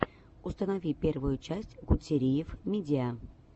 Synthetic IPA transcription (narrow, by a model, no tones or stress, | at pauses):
ʊst̪ənɐvʲipʲe̞rvʊjʊt͡ɕæsʲtʲɡʊtʲɪɾʲijɪfmʲɪdʲɪa